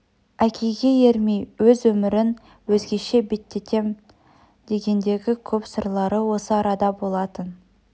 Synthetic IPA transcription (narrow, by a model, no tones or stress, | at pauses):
ækʲʰe̞jɡʲe̞je̞ɾmejwɵzwɵmɪɾɪn | wɵzɡʲe̞ʃe̞be̞t̪ːe̞t̪ʰe̞m | d̪̥e̞ɡʲe̞nd̪e̞ɡʲɪkʲʰɵpsəɾlˠɑɾəwo̞səɑɾɑd̪ɑbo̞lˠɑt̪ən